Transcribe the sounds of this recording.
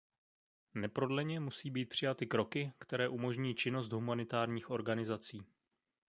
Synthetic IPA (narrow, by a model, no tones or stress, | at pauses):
nɛpɾo̞dlɛɲɛmusiːbiːt̪̚pr̝̥ɪjat̪ɪkɾo̞kɪkt̪ɛɾɛːʔumo̞ʒɲiːt͡ʃɪno̞st̪ɦumanɪt̪aːɾɲiːxʔo̞ɾɡanɪzat͡siː